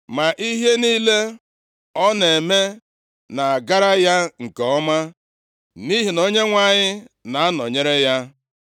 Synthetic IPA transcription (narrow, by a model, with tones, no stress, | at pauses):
ma˨ʔi˦ɦe˦niː˦le˦ | ɔ˦ne˨me˦ | na˨a˨ɡa˦ɾa˦ja˦ŋ̩˨kɔ˦ma˦ | ni˦ɦi˨no˦ɲe˦ŋʷa˨ɲɪ˦na˨a˦nɔ˨ɲe˦ɾe˦ja˦